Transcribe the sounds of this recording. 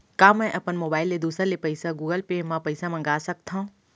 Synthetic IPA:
kaːmɛ̃ʔɐpənmoːbaːɪlːed̪uːsəɾlepɐɪsaɡuːɡəlpemãpɐɪsãmɐ̃ŋɡaːsɐk̚t̪ʰã

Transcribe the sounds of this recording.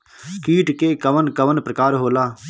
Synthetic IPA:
kiːʈkeːkəʋənkəʋənpɾəkaːɾɦoːlaː

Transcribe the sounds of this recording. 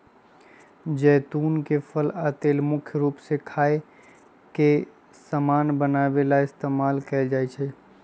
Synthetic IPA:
d͡ʒɛːt̪unkepʰələt̪eːlmʊkʰjɾuːpsekʰaːe | ke | səmaːnbənabelaɪst̪eːmaːlkɛɪld͡ʒajt͡ʃʰɛ

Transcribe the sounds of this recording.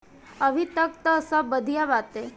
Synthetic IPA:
əʋit̪ək̚t̪əsəbəd̪ʱijaʋat̪e

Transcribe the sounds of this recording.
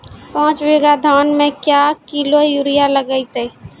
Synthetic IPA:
pɔ̃ːt͡ʃʋeɡad̪ʱaːnmẽkjakilojuːɾijaləɡəit̪e

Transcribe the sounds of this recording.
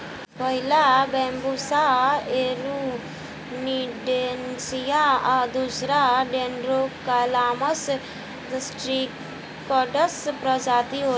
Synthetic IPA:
pəɦɪlabɛ̃ːmbusaeːɾu | niɖensijaad̪usɾaɖeːnɖɾokalaːməs | d̪sʈɾiː | kɔːɖəspɾəd͡ʒaːt̪iɦoː

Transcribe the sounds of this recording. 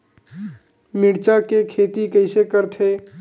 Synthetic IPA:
miɽt͡ʃakekʰet̪ikəɪsekəɾt̪ʰe

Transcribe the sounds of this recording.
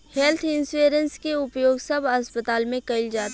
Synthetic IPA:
hɛlt̪ʰɪ̃nseːɾənskeʊpjoːɡsɐbʱɐspət̪aːlmẽkɐɪld͡ʒaːt̪

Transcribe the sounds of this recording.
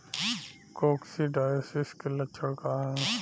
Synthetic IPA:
koːksiɖaːjəsɪskelɐʃʰəɽkaɦɛ̃ː

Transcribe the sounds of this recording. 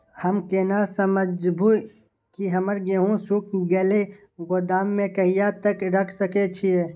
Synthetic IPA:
hɐmkeːnasəməd͡ʒbuː | kiɦɐməɾɡeɦũsuk̚ɡeːle | ɡʊd̪aːmːẽkɐɦijat̪əkɾɐkʰsəket͡ʃʰie

